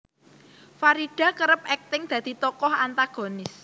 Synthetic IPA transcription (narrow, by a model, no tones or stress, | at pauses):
faɾiɖ̥ä̤kəɾəp̚ɛk̚t̪ɪŋd̪̥a̤d̪̥i̤t̪ɔkɔhant̪aɡ̥o̤nɪs